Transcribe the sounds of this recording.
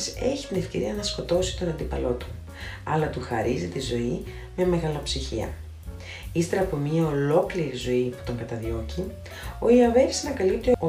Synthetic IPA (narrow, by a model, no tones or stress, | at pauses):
se̞çi̥t̪ine̞fce̞ɾiɐnɐsko̞t̪o̞si̥t̪o̞nɐnd̪ipɐlo̞t̪u̥ | ɐlɐt̪uxɐɾizit̪izo̞i | me̞me̞ɣɐlɐpsiçḭɐ̰ | ist̪e̞ɾɐpo̞mɲɐo̞lo̞kliɾizo̞ipu̥t̪o̞ŋɡɐt̪ɐðo̞ci | o̞iɐve̞ɾi̥snɐkɐlip̚t̪io